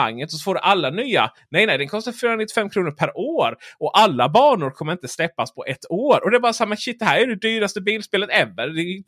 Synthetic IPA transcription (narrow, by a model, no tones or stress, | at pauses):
a̰ŋːət̪ɔsɔfoːɖɛʔalːanyːa̰ | nɛjnɛjd̪ɛnkʰɔst̪aɾfyːɾanɪt̪ːɪ̥fɛmːkʰɾuːnʊɾpʰæɾʔoːɾɔʔalːabɑːɳʊɾkʰɔmːəɾɪnt̪əslɛpːaspʰɔʔɛt̪ːoːɾɔd̪ɛɾbɑːɾasamːaɕɪt̪̚d̪ɛhæːɾjæɖɛd̪yːɾast̪əbiːlspeːlət̪ɛvːəɾd̪ɛ